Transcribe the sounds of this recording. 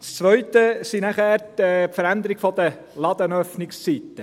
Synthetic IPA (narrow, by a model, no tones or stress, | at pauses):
st͡sʋœɥtəsinæχæːɾɛpfəɾænd̪əɾɪɡ̥fɔd̪ə | lɑd̪ənœfnɪkst͡sit̪ːə